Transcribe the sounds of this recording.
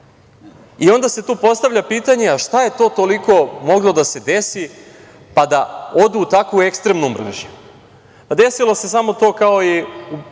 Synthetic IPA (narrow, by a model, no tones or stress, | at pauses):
io̞nd̪ase̞t̪uːpo̞st̪aʋʎʲapiːt̪aɲeaʃt̪aje̞t̪o̞ːt̪o̞liko̞mo̞ɡlo̞d̪ase̞d̪e̞si | pad̪ao̞d̪uːt̪akʋue̞kst̪ɾe̞mnumr̰ʒɲu | d̪e̞silˠo̞se̞samo̞t̪o̞ːkao̞iu